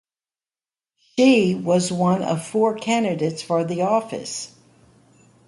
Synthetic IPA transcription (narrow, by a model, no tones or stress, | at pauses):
ʃiwʌzwʌ̃nʌ̰v̥fɔɹkʰæ̃ndɨdeɪtsfə˞ðiɔfɨ̰s